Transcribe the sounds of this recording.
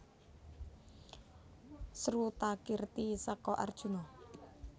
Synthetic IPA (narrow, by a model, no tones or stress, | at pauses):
sɾut̪akirt̪isɔkɔʔa̰rd̥ʒ̥ṳnɔ